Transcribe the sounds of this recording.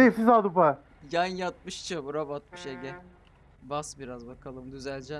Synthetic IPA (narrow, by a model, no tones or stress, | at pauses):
ejfizaːd̪upa | janjat̪̚mɯʃt͡ʃʰabuɾabat̪̚mɯʃeɟɛ | basbiɾazbakʰalˠɯmd̪yzælʲd͡ʒɛ